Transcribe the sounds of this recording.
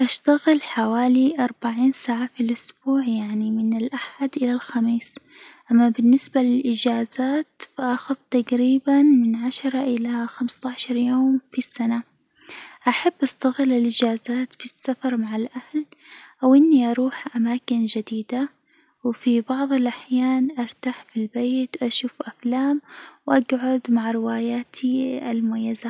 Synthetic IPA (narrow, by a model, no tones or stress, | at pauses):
ʔaʃt̪aɣɪlħawaːliʔɑɾˤbaʕiːnsaːʕafilʔʊsb̥uːʕjaʕnimɪnɪlʔaħad̪ʔɪlalxamiːsʔamːabɪnːɪsbalɪlʔɪd͡ʒaːzaːt̪faʔɑxʊðˤt̪aqɾiːbanmɪnʕaʃɑɾˤɑʔɪlaxamst̪ɑːʃɑɾˤjoːmfisːana | ʔaħabːʔast̪aɣɪlːɪlʔɪd͡ʒaːzaːt̪fisːafɑɾˤmaʕalʔahlʔawʔɪnːiʔɑɾˤuːħʔamaːkɪnd͡ʒad̪iːd̪a | wfibɑʕðˤɪlʔaħjaːnʔɑɾˤt̪aːħfilbeːt̪wʔaʃuːfʔaflaːmwʔaɡʕʊd̪maʕɾɪwaːjaːt̪ʰiʔalmʊmajːaza